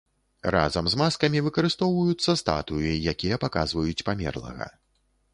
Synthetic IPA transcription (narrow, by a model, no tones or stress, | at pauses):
ra̰zɐmzmaskɐmʲivɨkɐɾɨst̪ɔwvɐjut̪sːɐst̪a̰t̪ujijakʲijɐpakazvɐjut͡sʲpamʲɛ̰rlˠɐ̰ɣɐ̰